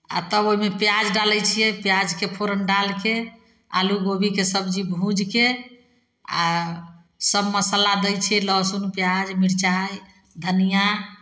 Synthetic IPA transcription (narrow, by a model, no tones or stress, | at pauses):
a̰t̪əboɦimepjad͡ʒɖalɛt͡ʃʰijɛpjad͡ʒkepʰoɾənɖalke | a̰luɡobikesəbd͡ʒibʱũd͡ʒke | a̰ | səbməsəlad̪ɛjt͡ʃʰɛləsunpjad͡ʒmiɾt͡ʃaj | d̪ʱənija